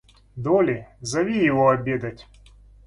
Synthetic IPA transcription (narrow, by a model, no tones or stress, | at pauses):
d̪ɔlʲɪzɐʋʲijɪvɔɐbʲed̪ɐtʲ